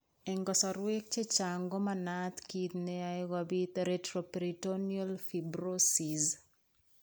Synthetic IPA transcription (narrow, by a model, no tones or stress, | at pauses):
ɛŋɡɔsɔɾwek̚t͡ʃet͡ʃaŋɡɔmanat̪kit̪neaɪɡabit̪eɾetɾopɾitonialfibɾosiz